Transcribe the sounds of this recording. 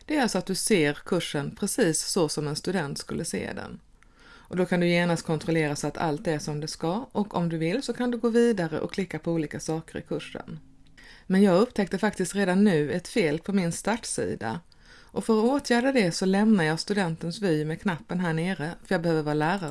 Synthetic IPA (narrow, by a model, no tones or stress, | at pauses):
d̪̥ɛæɾalsɔat̪̚d̪ɵseːɾkʰɵʂːənpʰɾɛsiːsːɔsɔmɛnst̪ɵd̪ɛnt̪skɵlːəsḛːd̪ɛ̰n | ʔɔd̪ɔkʰand̪ɵjeːnast̪̚kʰɔnt̪ɾɔleːɾasɔat̪ʰa̰lt̪̚d̪ɛæʂɔmd̪ɛskaʔɔkʰɔmd̪ɵvɪlːsɔkʰand̪ɵɡoːviːd̪aɾə̰ʔɔ̰kʰlɪkːapʰɔuːliːkasɑːkəɾɪ̰kʰɵʂːə̰n | mɛnjɑːɡɵpːt̪ʰɛkt̪əfak̚t̪ɪst̪ɾeːd̪anːʉ̟ːɛt̪feːlpʰɔmɪnst̪aʈsḭːd̪a̰ | ʔɔfœɾoːt̪ʰjæːɖəd̪ɛsɔlɛmnajɑːɡst̪ɵd̪ɛnt̪ənsvyːmɛkʰnapːənɦæːɳeːɾəfœɾjɑːɡbɛhøːvəɾvəɾalæːɾa